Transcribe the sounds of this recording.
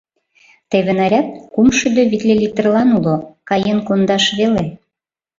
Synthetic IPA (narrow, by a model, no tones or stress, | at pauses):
t̪eβĕnæɾʲæt̪̚kumʃyd̪øβit̪lʲelʲit̪ə̆rlɑnulokɑjenkond̪ɑʃβele